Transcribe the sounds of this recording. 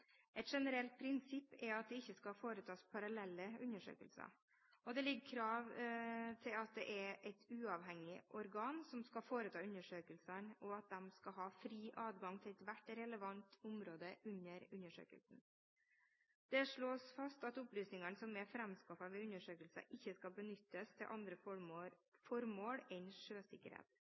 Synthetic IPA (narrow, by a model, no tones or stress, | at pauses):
ʔɛɪt̪ʂɛnəɾɛlt̪̚pʰɾɪnsɪpːɛɑt̪̚d̪ɛɪçːəskɑfoːɾət̪ʰɑːspʰɑɾɑlɛlːəʉnːəʂø̰ːkəlsɑ̰ | ɔd̪ɛlɪɡːkʰɾɑːʋt̪ʰɪlɑt̪̚d̪ɛʔɛɾʔɛɪt̪ʰʉːɑʋɦɛŋːɪʔɔɾɡɑːnsɔmskɑfoːɾət̪ʰɑːʉnəʂøːkəlsənɔɑt̪̚d̪ɛmskɑɦɑːfɾiːʔɑːd̪ɡɑŋt̪ʰɪlɛt̪ʋæʈːɾɛləʋɑnt̪ʰʊmɾoːd̪əʔʉnːəɾʉnːəʂø̰ːkə̰lsn̩ | d̪̥ɛʂɭoːsfɑst̪ɑt̪ʊplyːsnɪŋɑnsɔmɛfɾɛmskɑfɑʋɛʉnːəʂøːkəlsə̰ʔɪçːəskɑbənʏt̪ːəst̪ʰɪlʔɑnd̪ɾə | fɔɾmoːɽɛɪnʂøːsɪkːə̰ɾhḛːt̪